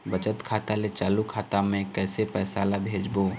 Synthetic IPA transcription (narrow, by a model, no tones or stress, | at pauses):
bət͡ʃət̪kʰaːt̪alet͡ʃaːlukʰaːt̪amẽkɛːsepɛːsaːlabʱeːd͡ʒboː